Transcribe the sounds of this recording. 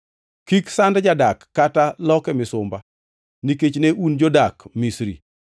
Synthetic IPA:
kiksandd͡ʒadakːatalɔkɛmɪsʊmba | niket͡ʃneʔund͡ʒodakmisɾḭ

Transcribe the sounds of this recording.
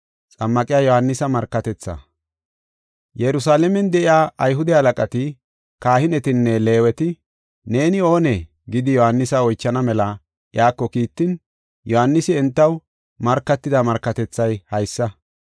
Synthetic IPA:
t͡sʼɐmːɐkʼɪjaːjɔhɐnːɪsɐmɐɾkːɐt̪ɛt͡sːɐ̰ | jɛɾʊsaːlɛmɛnd̪ɛʔɪjaːʔɐjɦʊd̪ɛhɐlɐkʼɐt̪ɪ | kaːhɪnɛt̪ɪnːɛle̞ːwɛt̪ɪ | neːnɪo̞ːnɛ | ɡɪd̪ɪjɔhɐnːɪsɐɔjt͡ʃːɐnɐmɛlɐ | ʔjaːkːɔkiːt̪ːɪn | jɔhanːɪsɪɛnt̪ːɐw | mɐɾkːɐt̪ːɪd̪ɐmɐɾkːɐt̪ɛt͡sːɐjhɐjsːɐ

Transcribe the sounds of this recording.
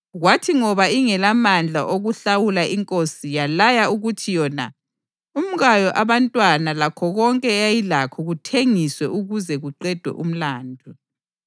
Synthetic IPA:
ɣwatʰiŋɔβaiŋɛlamand͡ɮʱa̰ʔoɣuɬawulaʔiŋkʼosijalajauɣutʰijɔna̰ | um̩ɣajɔʔaβantʼwanalakʰɔɣɔŋkʼɛajilakʰɔɣutʰeŋiswɛʔuɣuzɛɣuǃɛd̥ʱwɛ̰ʔum̩laːndʱu

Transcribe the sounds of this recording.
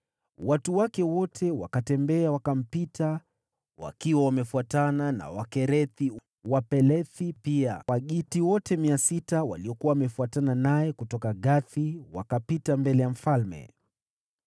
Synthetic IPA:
watuwakɛwɔtʰɛwa̰katɛmbɛawakam̩pitʰa | wa̰kiwawamɛfuatanana̰wakɛɾɛθi | wapɛlɛθipiawaɠitiwɔtɛmiasitawa̰liɔkuwawamɛfuatananajɛkutɔkaɠaθiwa̰kapitambɛlɛjam̩falmɛ̰

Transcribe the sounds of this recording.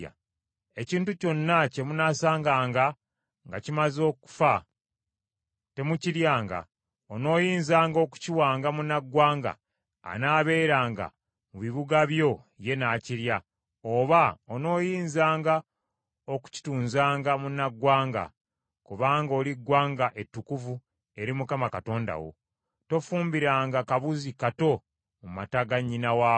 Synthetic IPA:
a̰ | e̞ciːntuco̞nːace̞munasaːŋɡaːŋɡa | ŋɡacimazo̞ːku̥fa | te̞muciɾjaːŋɡa̰ | ono̞ːjiːnzaːŋɡo̞ku̥ciwaːŋɡamunaɡːwaːŋɡa̰ː | naːβe̞ːɾaːŋɡa̰ | muβiβuɡaβjo̞ | je̞naːciɾja | oβaono̞ːjiːnzaːŋɡa | o̞ku̥ci̥tuːnzaːŋɡamunːaɡwaːŋɡa̰ | kuβaːŋɡo̞ːliɡːwaːŋɡaʔe̞tːukuvu | e̞ɾimukamakato̞ːnda̰wo̞̰ | to̞fuːmbiɾaːŋɡakaβuzikato̞ | mumataɡaɲːinawaː

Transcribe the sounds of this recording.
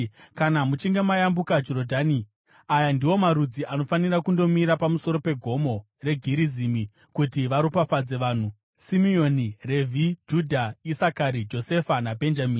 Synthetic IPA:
kanamut͡ʃiŋɡe̞majambukad͡ʒo̞ɾo̞dʱaːni | ajandiwo̞maɾud͡ziʔano̞fanirakundo̞miɾapamuso̞ɾo̞pe̞ɡʱo̞mo̞ | re̞ɡʱiɾizimi | kutiʋaɾupafad͡ze̞ʋaːn̤u | simio̞nire̞vʱid͡ʒudʱaisakaɾid͡ʒo̞se̞fanabʱe̞nd͡ʒamiːni

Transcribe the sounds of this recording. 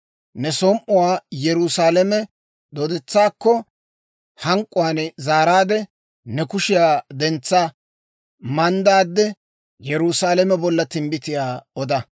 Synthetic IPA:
nɛsɔmʔʊwaːjɛɾusaːlɐmɛ | d̪oːd̪ɛt͡sːaːkːɔ | hɐŋkʼːʊwanzaːɾaːd̪ɛ | nɛkʊʃɪjaːd̪ɛnt͡sːa | mɐnd̪aːd̪ːɛ | jɛɾusaːlɛmɛbɔlːɐt̪ɪmbɪt̪ɪjaːɔd̪ɐ

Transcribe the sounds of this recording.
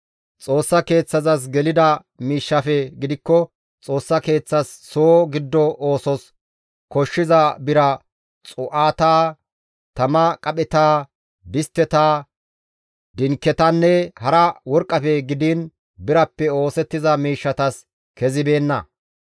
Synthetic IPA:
t͡sʼo̞ːsːɐke̞ːt͡sːɐzɐs̬ɡɛlɪd̪ɐ | miːʃːɐfɛɡɪd̪ɪkːɔ | t͡sʼo̞ːsːɐke̞ːt͡sːɐsːoːɡɪd̪ːɔʔoːsɔs | kɔʃːɪzɐbɪɾɐ | t͡sʼʊʔaːt̪aː | t̪ɐmɐkʼɐpʼɛt̪aː | bɪst̪ːɛt̪aː | d̪ɪŋkːɛt̪ɐnːɛhɐɾɐwɔɾkʼːɐfɛɡɪd̪ɪn | bɪɾɐpːɛo̞ːsɛt̪ːɪzɐmiːʃːɐt̪ɐs | kɛzɪbe̞ːnːɐ̰

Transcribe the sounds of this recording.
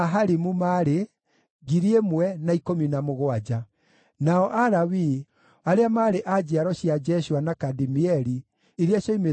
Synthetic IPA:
aɦaɾimumaɾe | ɣiɾiemwɛnaikominamoɣoad͡ʑa | naɔʔaɾawi | aɾeamaɾeʔad͡ʑeaɾɔɕjad͡ʒɛɕuwanakadimiɛɾi | iɾiaɕɔime

